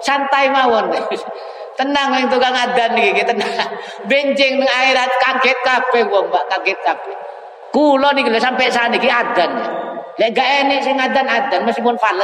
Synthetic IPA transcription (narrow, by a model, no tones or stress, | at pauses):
sant̪aimawɔn | t̪ənaŋwɛŋt̪̬uɡaŋadanːikikit̪ənaŋ | bɛɲd͡ʒɪŋnəŋaiɾat̪̚kaɡɛt̪̚kapɛwɔŋbaʔkaɡɛt̪̚kapɛ | kulɔnikilɛʔsampɛʔsanikiadanalɛʔɡaʔɛnɪʔsiŋadanad̪anməskipʊnfalət̪̚